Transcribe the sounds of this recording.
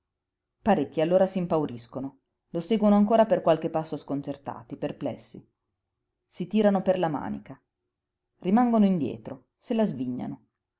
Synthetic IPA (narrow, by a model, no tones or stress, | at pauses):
paɾekːialːoːɾasimpawɾiskono | losɛːɡwonoaŋkoːɾaperkwalkepːasːoskont͡ʃert̪a̰ːt̪iperplɛ̰sːḭ | sit̪iːɾanoperlama̰ːnḭka | rimaŋɡonoind̪jɛ̰ːt̪ɾo | selazviɲːa̰no